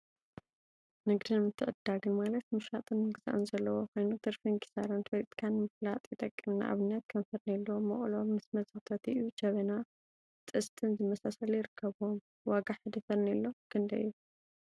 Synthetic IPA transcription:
nɨɡd̪inmɨt̪ʰːɨʔʼɨd̪̥alɨnmalɐt̪mɨʃɾat̪ʼɨnmɨɡza̰ʔunzɐlːɐwokajnut̪ʰɨɾfinkʰi̥saɾɐnt̪bolit̪ʼi̥kʰanmɨflat̪ʼjɪt̪ʼɐkʼːimna̰ʔa̰βɨnːat̪̚kʰɐnfɐd̪nalːomɐʔʼlomːɨsmɐzʼɐt̪ʰɐt̪iʔjud͡ʒɐβɐna | t̪ʼɨst̪ʰɨnzɨmɐsasɐlujɪɾɨkʰːɐβom | waɡaħɨd̪ɐfɐɾnilːokʰɨnd̪ɐ̰jju

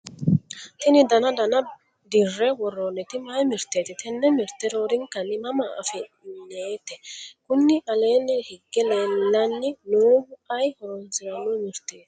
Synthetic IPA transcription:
t̪ɪnɪd̪ɐnɐd̪ɐnɐ | d̪ɪrːɛwɔrːonːɛt̪ɪmɐjmɪɾt̪ːeːt̪ɪt̪ɛnːɛmɪɾt̪ːɛɾoːɾɪŋkɐnːɪmɐmɐɐ̰fɛ | nːeːt̪ɛkʊnːɪʔɐle̞ːnːɛhɪɡːɛlelːɐnːɪnuːhʊɐjhɔɾɔnsɪɾɐnːɔmɪɾt̪ːeːt̪

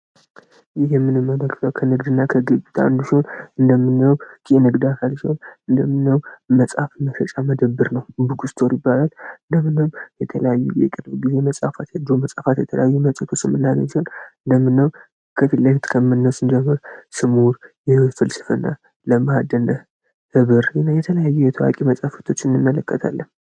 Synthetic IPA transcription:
jɪhjɛmːɨnɨmːələkːt̪ʰəwkʰənɨɡd̪ɨnːakʰəɡɨβut̪ʰa̰nd̪uʃihonɨnd̪əmːɨnːəwɡienɨɡd̪akʰalʃihonɨnd̪əmːɨnːəwməsʼafməɾət͡ʃʼaməd̪əbːɨɾnəwbɨɡust̪ʰoɾjɪbːalalɨnd̪əmːɨnəwmjɛt̪ʰələjajːujɛ̰kʼɨnɨɡizeməsʼafat̪jad̪oməsʼafat̪jɛt̪ʰələ̰jajːuməsʼət̪ʰosɨmːɨnːanəsihonɨnd̪əmːɨnːəw | kʰət̪ʰɨlːət̪kʰəmːɨnːəsɨnd͡ʒɛmːəɾsɨmuɾjɛfɨlsɨfənːa̰ | ləmad̪ənə | hɨβɨɾnjɛt̪ʰələjajːujɛt̪ʰəwa̰kʼiməsʼafət̪ʰo̞t͡ʃːɨnːɨmːələkːət̪ʰa̰lːəm

